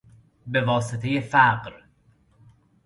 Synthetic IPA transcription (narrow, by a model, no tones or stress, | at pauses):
be̞vɒːset̪ʰe̞jefæɢɾ